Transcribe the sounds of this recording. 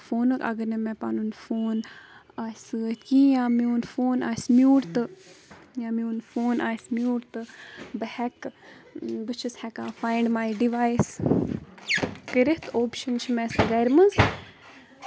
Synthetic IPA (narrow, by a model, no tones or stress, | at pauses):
foːnɨkɐ̰ɡəɾnemɛpanunfoːn | asɨkijãmiunfoːna̰ːsmjuːɾt̪ɨ | jãːmiunfoːnʔaːsmʲjuːɾt̪ɨbɐhɛk | bɨt͡ʃʰishɛkafãːjɳɖmajɖiʋajs | kəɾit̪oːpʃɐnt͡ʃʰimɛsɨɡɛɾmɐz